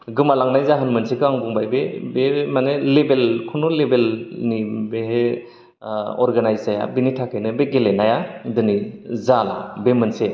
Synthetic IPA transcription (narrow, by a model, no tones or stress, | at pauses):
ɡɯmalaŋnajzaɦanmɯnsekʰɯaŋbuŋbajbebemanelebelkʰunulebelnibeɦe | ɔɾɡanajzaja̰binitʰakʰajnɯbeɡelenajadɯnizala̰bemɯnse